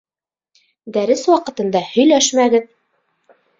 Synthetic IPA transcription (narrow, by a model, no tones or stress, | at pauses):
d̪æɾɘswɑqɤ̆t̪ɤ̆nd̪ɑhɵ̆jlæʃmæɡɘð